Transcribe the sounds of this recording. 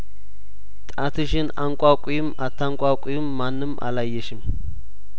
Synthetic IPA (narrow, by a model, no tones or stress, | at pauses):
t̪ʼat̪ʰɨʃɪnaŋkʷʼakʼʊjɪmat̪ʰːaŋkʷʼakʼʊjɪmːanːɨmʔa̰lajːɛʃɪm